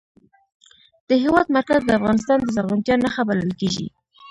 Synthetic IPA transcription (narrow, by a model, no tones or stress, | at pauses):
d̪̥əɦewɑd̪maɾkazd̪əafɣɑnɪs̬t̪ɑnd̪əzaɾɣunt̪jɑnːaxabaləlkeʒḭ